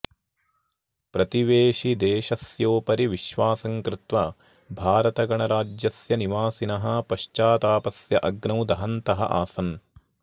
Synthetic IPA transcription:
pɾɐt̪iʋeːʃid̪eːʃɐsjoːpɐɾiʋiʃʋaːsɐŋkɾɪt̪ʋɐ | bʱaːɾɐt̪ɐɡɐɳɐɾaːd͡ʒjɐsjɐniʋaːsinɐɦɐpɐʃt͡ʃaːt̪aːpɐsjɐʔɐɡnɐwd̪ɐɦɐnt̪ɐɦɐ̰ʔaːsɐn

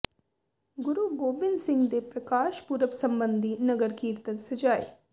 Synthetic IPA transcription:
ɡʊɾuɡoːbɪnsɪ̃ŋɡd̪epɾɐkaːʃpuɾəʋsɐmbənd̪ʱinɐɡəɾkiːɾt̪ənsɐd͡ʒaːj

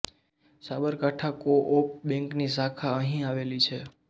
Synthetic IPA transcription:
sabəɾkaʈʰakoʔop̚bɛ̃ŋknisakʰaəɦĩaʋelit͡ʃʰe

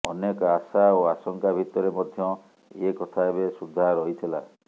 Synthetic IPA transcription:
ɔnekasaoasɔŋkabʱit̪ɔɾemɔd̪ʱjɔ | ekɔt̪ʰaebesud̪ʱaɾɔɦit̪ʰila̰

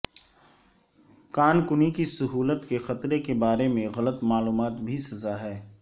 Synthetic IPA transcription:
kaːnkʊnikisʊɦuːlət̪kexɐt̪ɾekebaːɾemẽɣɐlət̪maːluːmaːt̪bʱisɐzaɦɛː

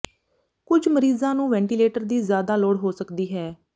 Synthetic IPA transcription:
kʊd͡ʒməɾiːzãːnũːʋɛ̃ːɳʈiːleːʈəɾd̪iːzjaːd̪aːloːɽɦoːsəkd̪iːɦɛː

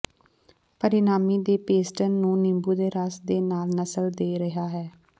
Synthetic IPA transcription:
pəɾɪnaːmiːd̪eːpeːsʈənːũːnɪmbuːd̪eːɾaːsd̪eːnaːlnəsəld̪eːɾəɦaːɦɛː

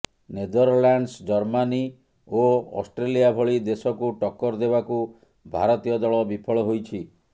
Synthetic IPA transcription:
ned̪ɔɾlaɳɖsd͡ʒɔɾmani | oɔ̰sʈɾeliabʱɔɭid̪esɔkuʈɔkːɔɾd̪ebaku | bʱa̰ɾɔt̪ijɔd̪ɔɭɔbipʰɔɭɔɦojt͡ʃʰi

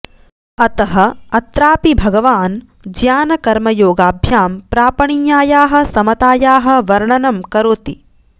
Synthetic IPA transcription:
ɐt̪ɐɦɐ̆ɐt̪ɾaːpibʱɐɡɐʋaːn | d͡ʒjaːnɐkɐɾmɐjoːɡaːbʱjaːmpɾaːpɐɳijjaːjaːɦɐ̆sɐmɐt̪aːjaːɦɐ̆ʋɐɾɳɐnɐmkɐɾoːt̪i

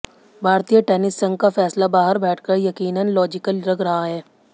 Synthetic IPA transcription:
bʱaːɾt̪ijəʈɛːnɪsːɐ̃ŋɡ̚kafɛːslabaːɦəɾbɛːʈʰkəɾjɐkiːnənlɔːd͡ʒɪkəlɾɐɡɾɐɦaɦɛː

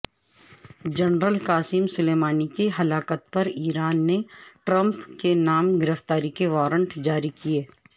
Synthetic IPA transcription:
d͡ʒɐnɾəlkaːsɪmsʊleːmaːnikeɦɐlaːkət̪̚pɐɾiːɾaːnːeʈɾə̃mpkenaːmɡɪɾəft̪aːɾikeʋaːɾə̃ɳʈd͡ʒaːɾikieː

